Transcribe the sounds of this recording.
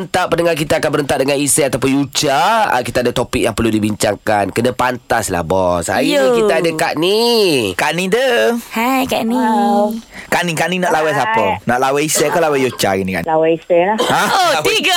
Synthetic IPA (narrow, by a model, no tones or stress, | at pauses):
nt̪aʔpːənəŋark̬it̪aakanbəɾənt̪aʔ̚dəŋanisɛat̪awp̬ʊnjut͡ʃaə̰kit̪aːdat̪opik̚jaŋpərludibiɲt͡ʃaŋkankənapant̪asla̰hbɔsa̰jkit̪aadəkaʔnikaʔnidəhajkaʔni | kaʔnikaʔninaʔlawɛs̬apənaʔlawaisɛʔkalawɛjut͡ʃaɡinĩka̰ʔawɛisɛlaaoiɡa